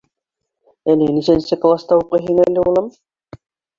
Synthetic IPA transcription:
ælɘnisænsɘklˠast̪ɑuqɤjɦiŋælːɘulˠɤm

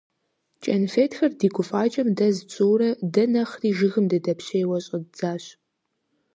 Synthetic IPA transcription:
t͡ʃʼɐnfeːtxɐrdiːɡʷʰʼʊfʼaːt͡ʃʼɐmdɐzɨt͡sʼuːɾɐdɐnɐχriːʒɨɣɨmdɐdɐpɕejwɐɕʼɐz̥aːɕ

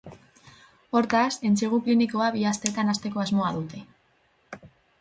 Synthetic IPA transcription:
o̞ɾt̪ase̞nt͡seɣ̞ukliniko̞aβiast̪et̪anast̪e̞ko̞azmo̞aðut̪e̞

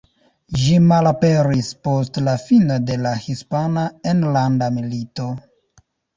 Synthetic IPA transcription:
ʒimalape̞ɾispo̞stlafino̞de̞lahispanae̞nlandamilito̞

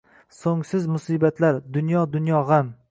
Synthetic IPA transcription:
soŋsɪzmʊsiːbat̪laɾd̪ʊnjɒd̪ʊnjɒʁam

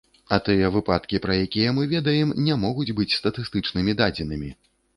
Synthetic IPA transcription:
ɐt̪ɨjɛvɨpat̪kʲipɾɐjakʲijɛmɨvʲɛd̪ɐjɛmnʲɛmɔɣud͡zʲbɨt͡sʲst̪ɐt̪ɨst̪ɨt͡ʂnɨmʲid̪ad͡zʲɛnɨmʲi

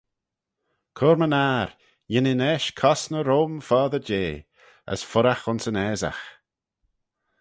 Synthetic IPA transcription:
kʰɔɾmənaːɾ | jɪnɪnɛʃkʰɔsnəɾoːmfɔːðəɾd͡ʒeː | ə̰sfʊɾaxʊnsənɛːza̰x

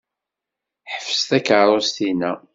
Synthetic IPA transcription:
ħəfə̥st̪ækəɾˤost̪inæ

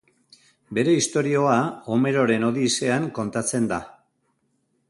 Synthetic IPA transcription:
be̞ɾe̞ist̪o̞ɾio̞ao̞me̞ɾo̞ɾe̞no̞ðise̞aŋko̞nt̪at͡se̞nd̪a

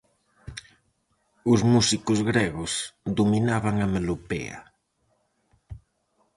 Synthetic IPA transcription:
ʊzmusikʊzɣɾɛɣʊsðuminaβaŋamelupḛa̰

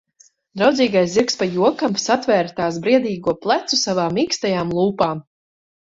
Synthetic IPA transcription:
d̪ɾawd̪ziːɡajsziɾkspajuɔkamsat̪vɛːɾt̪aːsbɾiɛd̪iːɡuɔplˠat̪susavaːmiːkst̪ajaːmlˠuːpaːm

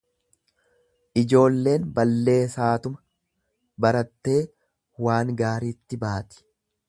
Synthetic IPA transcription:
ʔɪd͡ʒo̞ːlːe̞ːnbɐlːe̞ːsaːt̪ʊmɐ | bɐɾɐt̪ːe̞ː | waːŋɡaːɾiːt̪ːɪbaːt̪ɪ̥

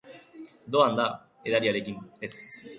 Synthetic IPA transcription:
d̪oãnd̪a | ed̪aɾʲijaɾekʲĩmd̪es

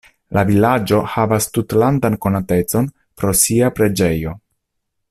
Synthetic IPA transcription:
lavilad͡ʒo̞havastutlandanko̞nate̞t͡so̞n | pɾo̞siapɾe̞d͡ʒe̞jo̞

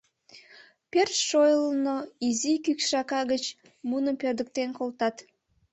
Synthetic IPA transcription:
persʃojələnoizikykʃɑkɑɣət͡ɕ | munəmpørd̪ək̚t̪enkolt̪ɑt̪

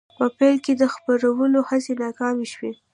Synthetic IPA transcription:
pəpɛjlked̪əxpəɾawəlohasenɑkɑmeʃwe

